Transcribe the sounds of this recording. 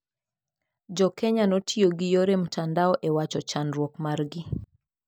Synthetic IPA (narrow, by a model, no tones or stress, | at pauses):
d͡ʒɔkɛɲanɔtʰioɡijoɾem̩tʰandaɔʔɛwat͡ʃɔt͡ʃanɾwɔkmaɾɡi